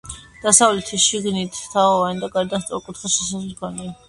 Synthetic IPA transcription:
d̪̥asavlɛt̪ʰiʃiɡnit̪ʰt̪ʰaɔvanid̪aɡaɾd̪ast̪sʼɔ̰ɾkʼut̪ʰχaʃɛsaχɛkʰɔnia

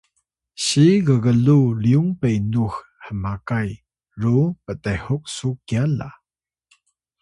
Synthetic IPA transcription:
ɕiɣəɣəluliuŋpejnux | həmakaj | ɾupətɛhʊk̚sukiala̰

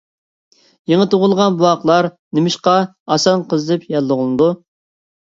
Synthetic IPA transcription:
jeŋət̪ʰoʁʊlˠʁɑnbuwɑqlˠɑɾnɪmɪʃqɑ | ɑsɑnqʰəzd̪ɛpjɑlːəʁʊlˠɨd̪u

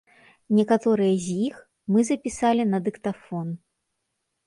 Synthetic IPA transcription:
nʲɛkat̪ɔɾɨjɐzʲjix | mɨzɐpʲisalʲinɐd̪ɨkt̪afɔn

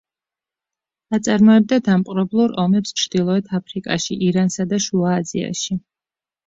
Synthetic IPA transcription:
at̪sʼaɾmɔɛb̚d̪ad̪amqʼɾɛblˠuɾɔmɛpst͡ʃʰɾd̪̥ilˠɔɛt̪ʰapʰɾikʼa̰ʃiʔiɾansad̪aʃuaːzḭa̰ʃi

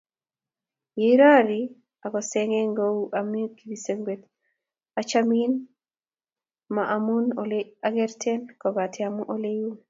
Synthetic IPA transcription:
jeɾaɾi | akɔsɛŋɛŋɡowʔamikibiseŋɡet | at͡ʃamin | maʔamunlaɡɛɾtʰɛnkɔbatʰiamuʔoleju

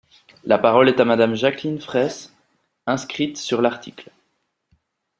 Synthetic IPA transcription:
lapaʁɔlɛt̪amad̪amʒaklinfχɛs | ɛ̃skχit̪syʁlaʁt̪ʰikl

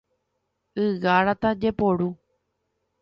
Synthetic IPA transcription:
ɨɣaɾat̪ad͡ʒepoɽu

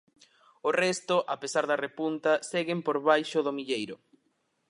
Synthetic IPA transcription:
orɛst̪ʊʔapesaɾðɐrepunt̪ɐseɣɪmpoɾβajʃʊðomiʎejɾʊ

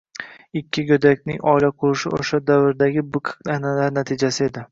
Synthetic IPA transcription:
ɪkʲʰːɪɡʲɵd̪akʲnɪŋɒɪlaqʰʊɾɪʃɪo̰ʃad̪avɪɾd̪aɡʲɪbʊkʰqnanalaɾnat̪ʰɪd͡ʒasɪe̞d̪ɪ

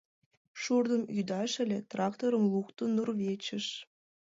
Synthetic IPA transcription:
ʃurd̪ə̆myd̪ɑʃɘ̆lʲet̪rɑkt̪oɾəmlˠukt̪onurβʲet͡ɕə̆ʃ

